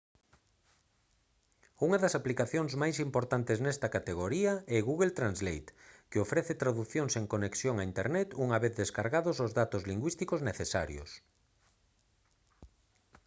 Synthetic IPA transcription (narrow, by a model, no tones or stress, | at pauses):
uŋɐðɐsaplikaθjoŋzmajsimpoɾt̪ant̪eznɛst̪ɐkat̪eɣoɾiɐɛɣuɣelt̪ɾanzlejt̪keofɾɛθet̪ɾaðuθjoŋseŋkoneksjoŋaint̪eɾnɛt̪uŋaβeθðeskaɾɣaðʊzozðat̪ozliŋɡwist̪ikozneθesa̰ɾjʊ̰s